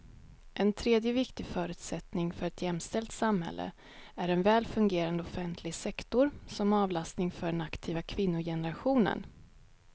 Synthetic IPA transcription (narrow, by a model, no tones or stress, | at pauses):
ʔɛnt̪ʰɾeːd̪jəvɪkt̪ɪfœːɾʉ̟ːt̪sɛt̪nɪŋfœɾɛt̪jɛmːst̪ɛlt̪samɦhɛ̰lːʔə̰ | æɾɛnvɛːlfɵŋɡeːɾand̪əɔfɛnt̪ʰlɪɡsɛkt̪ʊɾsɔmɑːvlast̪nɪŋfœɖɛnakt̪ʰiːvakʰvɪnːʊjɛnəɾaɧuːnə̰n